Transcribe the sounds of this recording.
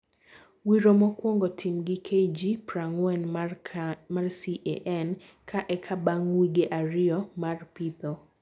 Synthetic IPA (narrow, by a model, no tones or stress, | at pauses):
wiɾomɔkwoŋɡɔtʰimɡɪkʰed͡ʒipɾaŋwɛn | marsiʔḛʔɛn | kʰaʔɛkʰabaŋwiɡeʔaɾɪɔmarpit̪o